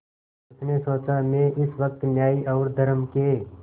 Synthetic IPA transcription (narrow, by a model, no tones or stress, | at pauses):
tnesɔːt͡ʃãmẽʔɪsʋɐk̚t̪njaːiʔɔːɾd̪ʱəɾəmke